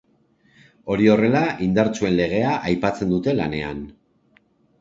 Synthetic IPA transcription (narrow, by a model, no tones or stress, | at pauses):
o̞ɾio̞re̞laʔind̪aɾt͡sue̞nle̞ɣ̞e̞aʔajpat͡se̞nd̪ut̪e̞lane̞a̰n